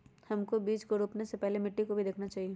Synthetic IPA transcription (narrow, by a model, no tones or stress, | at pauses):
hɐmkobiːt͡ʃkoɾuːpnesepɛɦlemɪʈːikobʱid̪eːkʰnat͡ʃaːɦie